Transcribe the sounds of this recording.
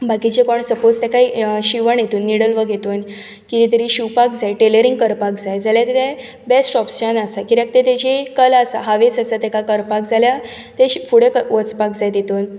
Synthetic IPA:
bakit͡ɕekɔɳsəpod͡zt̪ɛkaiɕiʋəɳjet̪uːnːiɽəlʋəɡʱet̪oːn | kit̪it̪̬əɾiːɕupakd͡zajʈeləɾiŋɡkəɾpak̚d͡zajd͡zaljat̪et̪e | besʈɔpst͡ɕanasakiɾək̚t̪et̪ed͡ʑekəlasaɦaʋesasat̪ekakəɾpak̚d͡zalja | t̪efuɽekəʋət͡spakd͡zajt̪it̪on

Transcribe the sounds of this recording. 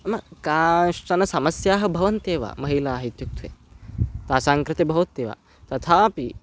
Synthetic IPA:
mɐkaːʂʈɐnɐsɐmɐsjaːɦɐ̆bʱɐʋɐnt̪eːʋa̰ːmɐɦilaːɦit̪juk̚t̪ʰʋḛːt̪aːsaːŋkɾɪt̪ebʱɐʋɐt̪ːeːʋa̰ː | t̪ɐt̪ʰaːpi

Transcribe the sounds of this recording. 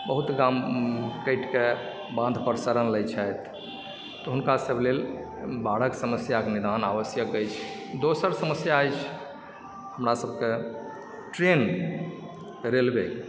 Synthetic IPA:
bəɦut̪ɡamkəɪʈke | bãnd̪ʱpəɾsəɾənləjt͡ʃʰɛjt̪ | t̪ːɔɦunkasəblel | baɽ̤əksəməsjakenid̪anaʋəsjəkəjt͡ʃʰ | d̪osəɾsəməsjaːjt͡ʃʰ | həmɾasəb̚ke | ʈɾen | ɾelbe

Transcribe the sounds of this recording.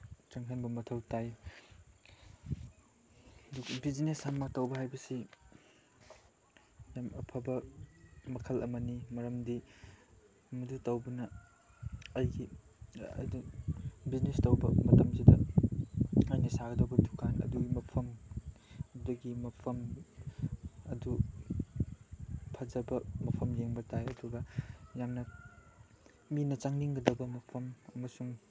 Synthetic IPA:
t͡ʃɐŋkʰɐnbɐmɐtʰɐwtaj | dubid͡ʒneshamːɐtɐwbɐɦajbɐsi | jamɐpʰɐbɐ | mɐkʰɐlɐ̰mɐnimɐɾɐmdi | mɐdutɐwbɐnɐ | ɐjɡḭ | dubiznestɐwbɐmɐtɐmsidɐ | ɐjnɐsaɡɐdɐwbɐdu̥kʰanɐ̰duɡimɐpʰɐm | dɐɡimɐpʰɐm | ɐdu | pʰɐzɐbɐmɐpʰɐmjeŋbɐtajɐduɡɐjamnɐ | minɐt͡ʃaŋniŋɡɐdɐbɐmɐpʰɐmɐmɐsuŋ

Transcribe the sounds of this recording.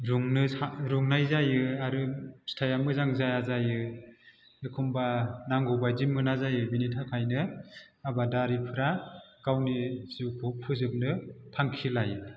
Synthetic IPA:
ɾuŋnɯaɾuŋnajzajɯaɾɯstʰajamɯzaŋzajazajɯ | ekʰumbanaŋɡɔbajzimɯnazajɯbinitʰakʰajnɯabadaɾipʰɯɾaɡ̥awnizupʰupʰɯzɯp̚nɯpʰaŋkʰilajɯ

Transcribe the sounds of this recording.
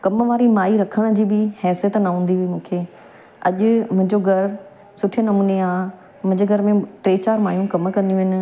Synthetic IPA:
kɐmʋaːɾimaːiɾɐkʰəɽ̃d͡ʑiːbɪhɛːsijət̪nɐɦũːnd̪iɦʊimũːkʰeː | ɐʄʊ̆mʊ̃ɦɪ̃ɲd͡ʑoɡʱɐɾ | sʊʈʰijənɐmuːneaː | mʊ̃ɦɪ̃ɲd͡ʑeɡʱɐɾmẽʈɾeːt͡ɕaːɾmaːjũkɐmkɐ̃nijũɦɪnɪ̆

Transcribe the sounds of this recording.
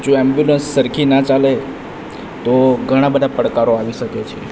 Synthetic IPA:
d͡ʒõɛmbjulənsːəɾkʰinat͡ʃale | t̪oɡʱəɽ̃ãbəd̪ʱapəɽkaɾoaʋiʃəket͡ʃʰe

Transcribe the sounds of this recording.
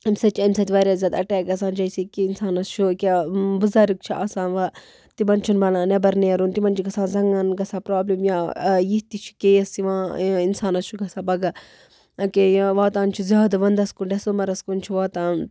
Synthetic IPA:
ɐmʲsɐt͡ʃʰɐmʲsɐt̪ʲiʋɐɾʲjaːzʲjaːd̪ɐʈɛːkɐs̬aːnd͡ʒɐjsikiinsaːnɐst͡ʃʰukebuzɐɾik̚t͡ʃʰiʔasãːnʋɐ | t̪imɐnt͡ʃʰunbɐlaːnɐbɐɾneːɾunt̪imɐnt͡ʃʰiɡɐsãːnzɐŋɐnɡɐsaːpɾaːbleːmjãːjiɦt̪it͡ʃʰi̥keːjɐsiʋãːinsaːnɐst͡ʃʰuɡɐsãːbɐɡɐ | keʋaːt̪aːnt͡ʃʰuzʲjaːd̪ʋɐnd̪ɐskunɖɐsoːmɐɾɐskunt͡ʃʰiʋaːt̪aːn

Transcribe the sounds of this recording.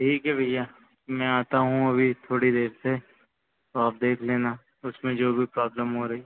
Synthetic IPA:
ʈʰiːkɦɛbʱɐja | mɛ̃aːt̪aɦũɐbʱit̪ʰoːɽid̪eːɾse | t̪oaːp̚d̪eːkʰleːna | ʊsmẽd͡ʒoːbʱipɾɔːbləmɦoɾɐɦiː

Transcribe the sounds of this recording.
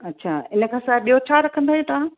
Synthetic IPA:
ɐtːɕʰaːɪnə̆kʰãːsaːɦɪbɓijot͡ɕʰaːɾɐkʰə̃nd̪aːijẽt̪ɐʋ̤ã

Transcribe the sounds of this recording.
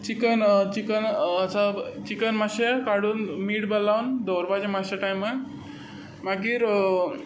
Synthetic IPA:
t͡ʃikənt͡ʃikənət͡sat͡ʃikənmasakaɽunmiɽbəlːawnd̪oɾbad͡ʑemasaʈajmːa | maɡiɾ

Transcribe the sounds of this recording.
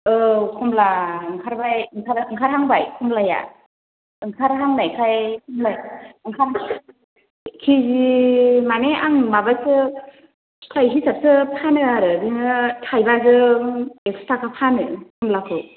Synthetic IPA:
ɯkʰɔmlaɯŋkʰaɾbajɯŋkʰaɾɯŋkʰaɾɦaŋbajkʰɔmlaja̰ | ɯŋkʰaɾɦaŋnajkʰajkʰɔmlajɯŋkʰaɾ | kʰizimaneʔaŋmabasɯ | kʰajɦisap̚sɯpʰanɯaɾɯbinɯtʰajbazɯekstʰakapʰanɯkʰɔmlakʰɯ

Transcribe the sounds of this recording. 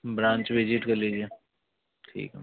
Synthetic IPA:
bɾãːɲt͡ʃʋɪd͡ʒɪʈkɐɾliːd͡ʒie | ʈʰḭːkɦɛ̰

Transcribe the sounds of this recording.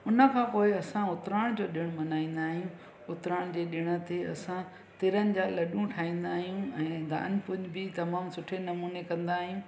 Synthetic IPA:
ʊnə̆kʰãːpoːɪɐsãʊt̪ɪɾaːɽ̃d͡ʑoːɗɪɽ̃mɐnaːĩːn̆d̪aːɦjũ | ʊt̪ɾaːɽ̃d͡ʑeːɗɪɽ̃ə̆t̪eɐsã | t̪ɪɾənɪ̆d͡ʑaːlɐɗũʈʰaːĩːn̆d̪aːɦijũɛ̃ːd̪a̰ːənɪ̆pʊɲbɪt̪ɐmaːmsʊʈʰenɐmuːnekɐ̃nd̪aːɦijũ

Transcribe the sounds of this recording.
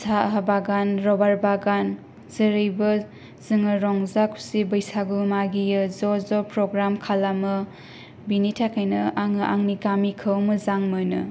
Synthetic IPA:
sʰaɦabaɡanɾɔbaɾbaɡan | zəɾɯjbɐ | zɯŋɐɾɔŋzakʰu̥sibɐjsaɡumaɡijɯzɔzɔpɾɔɡɾamkʰalamɐ | binitʰakʰajnɐaŋʔaŋnikamikʰɯwmɐzaŋmɯnɯ̰

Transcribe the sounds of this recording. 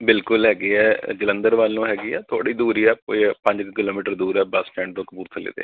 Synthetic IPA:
bɪlkʊlɦɛːɡiːɛːd͡ʒələ̃nd̪əɾʋaːlːũːɦɛːɡiːɛːt̪ʰo̰ːɽiːd̪uːɾiːɛːko̰ːipə̃ɲd͡ʒkkɪloːmiːʈəɾd̪uːɾɛːbəsʈɛ̃ːɳɖd̪ʊkpuːɾt̪ʰəlḛːd̪ḛː

